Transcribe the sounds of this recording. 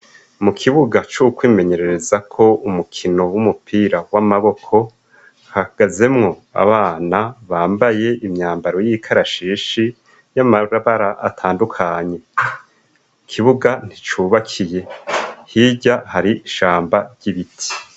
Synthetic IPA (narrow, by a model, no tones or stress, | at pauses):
mukʰiβuɡat͡ʃukwiːme̞ɲe̞ɾe̞ɾe̞zakʰo̞umukʰino̞wumupʰiːɾawamaβo̞kʰo̞ | hahaɡ̥aze̞mŋo̞a̰βaːnaβaːmbaje̞ʔimɲaːmbaɾo̞jikʰaɾaʃiːʃi | jamaɾaβaɾaʔa̰tʰaːndukʰaɲe̞ | kʰiβuɡan̥it͡ʃuβakʰije̞hiɟahaɾiiʃaːmbaɾɟ̥iβitʰi̥